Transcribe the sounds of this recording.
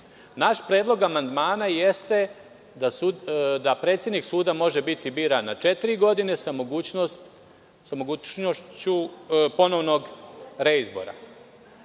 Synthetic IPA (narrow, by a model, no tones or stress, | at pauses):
naʃpɾeːd̪lˠo̞ɡamand̪maːnaje̞st̪e̞ | asud̪apɾet̪sʲje̞d̪niksuːd̪amo̞ʒebit̪ibiːɾanːat͡ʃe̞t̪iɾiɡo̞d̪ine̞samoɡuːt͡ɕnost̪ | samoɡuːt͡ʃnoʃt͡ɕupo̞no̞ʋno̞ɡɾeizbo̞̰ɾa̰